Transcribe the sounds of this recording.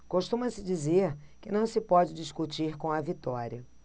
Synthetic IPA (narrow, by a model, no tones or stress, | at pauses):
koʃt̪ũmɐsɪd͡ʒizeɾkɪnɐ̃w̃sɪpɔd͡ʒɪd͡ʒiskut͡ʃiɾkõw̃ɐvit̪ɔɾiɐ